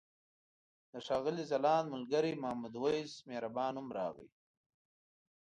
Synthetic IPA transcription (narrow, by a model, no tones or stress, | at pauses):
d̪əʂɑːɣəlizalɑːnmʊlɡaɾimahmud̪wajzmeɾabɑːnhʊmɾɑ̰ːɣḭj